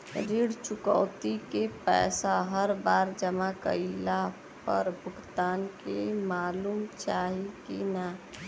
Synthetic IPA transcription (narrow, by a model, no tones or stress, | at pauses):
ɾiɽt͡ʃʊkɔ̰ːt̪ikepɛ̰ːsaɦəɾbaːɾd͡ʒəmakə̰la | pə̰ɾbʱʊɡt̪aːnkemaːluːmt͡ʃaːɦikina